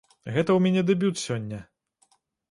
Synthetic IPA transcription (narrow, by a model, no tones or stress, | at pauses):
ɣɛt̪ɐwmʲɛnʲɛd̪ɛbʲut̪sʲɔnʲːɐ